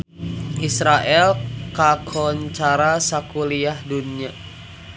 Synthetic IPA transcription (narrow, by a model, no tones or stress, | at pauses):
ʔisɾaʔɛlkakʰɔnt͡ʃaɾasakuliahdunia